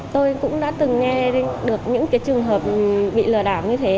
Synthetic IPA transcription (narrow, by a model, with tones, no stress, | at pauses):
t̪o˧jkʊ̰˧˥ŋ͡mɗa̰ː˧˥t̪ɨ˨˩ŋːɛ˧ɗe˨˦nɗɨ˨˩ək̚ɲɨ̰˧˥ŋkaː˨˦jt͡ɕɨ˨˩əŋɦəː˨˩p̚ɓḭ˧˨lɨ˨˩ɗaː˧˩wɲɨ˧t̪ʰe˨˦